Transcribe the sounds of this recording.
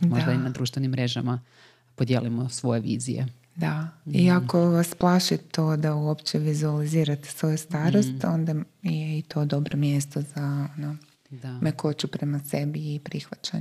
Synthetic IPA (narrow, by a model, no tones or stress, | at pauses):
dmoʒad̪ainad̪ɾuːʃt̪ʋenimːɾeʒa̰ma | pod̪jḛlimosʋo̞jeʋḭːzḭjḛ | d̪aiako̞ʋasplˠaʃit̪od̪auopt͡ɕeʋizualiziːɾat̪e̥sʋo̞just̪aːɾost̪o̞nd̪a | jeit̪o̞ːd̪o̞bɾomjest̪o̞zaono | meko̞t͡ʃupɾe̞mase̞biːpɾixʋat͡ʃa̰ɲ